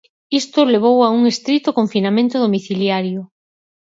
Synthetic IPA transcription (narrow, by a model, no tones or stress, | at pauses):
ist̪ʊleβ̞owauŋest̪ɾit̪ʊkoɱfinamẽnt̪ʊðomiθiljaɾjʊ